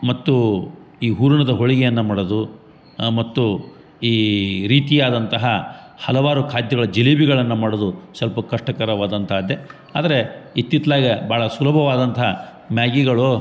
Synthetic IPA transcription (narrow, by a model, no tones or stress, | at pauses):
mɐt̪ːu | iːɦuːɾuɳɐd̪ɐɦoɭiɡejɐnːɐmaːɽod̪u | mɐt̪ːu | iːɾiːt̪ijaːd̪ɐnt̪ɐɦɐ | hɐlɐʋaːɾukʰaːd̪jɐɣɐɭɐd͡ʒelibiɡɐɭɐnːɐmaːɽod̪usɐlpɐkɐʂʈɐkɐɾɐʋaːd̪ɐnt̪ʰaːd̪ːe | a̰ːd̪ɐɾe̞it̪ːit̪laːɡɐbaːɭɐsulɐbʱɐʋaːd̪ɐnt̪ʰɐɦɐ | mjaːɡiɡɐɭo